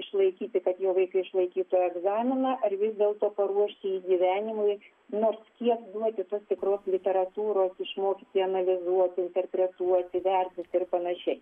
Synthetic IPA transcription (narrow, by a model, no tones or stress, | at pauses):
ɪʃlˠɐɪkʲiːt̪ʲɪkɐt̪joːʋɐɪkɐɪɪʃlˠɐɪkʲiːt̪oːjɛɡzɑːmʲɪnɑːʔɐrʋʲɪzʲd̪ʲeːlˠt̪oːpɐɾuɔʃʲt̪ʲɪiːɡʲiʋʲæːnʲɪmʊɪ | noːrskʲiɛkd̪uɔt̪ʲɪt̪oːst̪ʲɪkɾoːslʲɪt̪ʲɛɾɐt̪uːɾoːsɪʃmoːkʲɪt̪ʲɪɐnɐlʲɪzuɔt̪ʲɪnʲt̪ʲɛrʲpʲɾʲɛt̪uɔt̪ʲɪʋʲɛrʲt̪ʲɪt̪ʲɪrpɐnɐʃʲɛɪ